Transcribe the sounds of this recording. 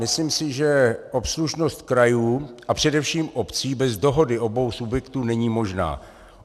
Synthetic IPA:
ɪsliːmsɪʒɛʔopsluʃno̞st̪̚kɾajuːapr̝̥ɛdɛfʃiːmʔopt͡siːbɛzdo̞ɦo̞dɪʔo̞bo̞wsubjɛkt̪uːnɛɲiːmo̞ʒna̰ː

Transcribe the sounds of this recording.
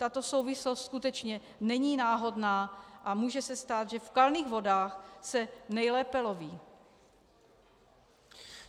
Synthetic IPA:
t̪at̪o̞so̞wvɪslost̪skut̪ɛt͡ʃɲɛ | nɛɲiːnaːɦodnaːʔamuːʒɛsɛst̪aːt̪ʒɛfkalniːɣvo̞daːxsɛnɛjlɛːpɛloviː

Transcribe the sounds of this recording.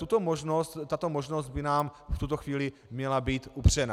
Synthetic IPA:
t̪ut̪omoʒnost̪ːat̪omoʒnosd̪̚bɪnaːmft̪ut̪oxviːlɪ | mɲɛlabiːt̪upr̝̥ɛna̰

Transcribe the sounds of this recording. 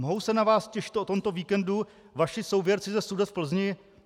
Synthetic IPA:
moɦowsɛnavaːscɛʃɪ̥t̪ʔot̪o̞mt̪o̞viːkɛndu | vaʃɪsowvjɛɾt͡sɪzɛsudɛt̪fpl̩zɲɪ

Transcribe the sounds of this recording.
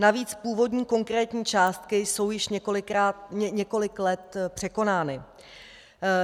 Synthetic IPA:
naviːt͡spuːvo̞dɲiːko̞ŋkɾɛːt̪ɲiːt͡ʃaːst̪kɪso̞wjɪʃɲɛko̞lɪkɾaːɲɛɲɛko̞lɪklɛt̪pr̝̥ɛko̞naːnɪ

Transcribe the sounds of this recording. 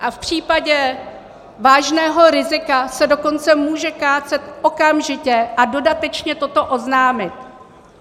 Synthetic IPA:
ʔafpr̝̥iːpaɟɛ | vaːʒnɛːɦo̞ɾɪzɪkasɛdo̞ko̞nt͡sɛmuːʒɛkaːt͡sɛt̪ʔokamʒɪcɛʔado̞dat̪ɛt͡ʃɲɛt̪o̞t̪o̞ʔo̞znaːmɪt̪

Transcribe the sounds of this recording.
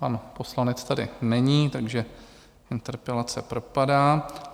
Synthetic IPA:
panpo̞slanɛt͡st̪adɪ̰nɛɲiːt̪aɡʒɛ | ɪnt̪ɛɾpɛlat͡sɛpɾopadaː

